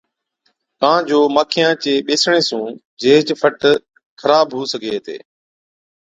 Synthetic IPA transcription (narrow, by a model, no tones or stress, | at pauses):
kãːd͡ʑoːmaːkʰɪjãːt͡ɕeːɓeːsɽ̃eːsũː | d͡ʑeːt͡ɕfʰəʈ | xʰəɾaːbɦuːsəɡʱeːɦt̪ḛː